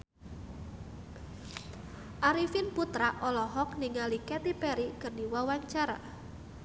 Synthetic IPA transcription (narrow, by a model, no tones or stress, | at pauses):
ʔaɾifinput̪ɾaʔʔɔlɔɦɔk̚niŋalikɛt̪ipɛɾikərdiwawaɲt͡ʃaɾa̰